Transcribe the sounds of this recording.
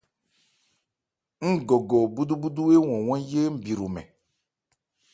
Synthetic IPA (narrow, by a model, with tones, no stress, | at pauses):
ŋ̩˦ɡo˨ɡo˨bu˦d̪u˦bu˦d̪u˦e˦wɔ̃˨wɔ̃˦je˦m̩˦bi˨ɾu˨mɛ̰̃˨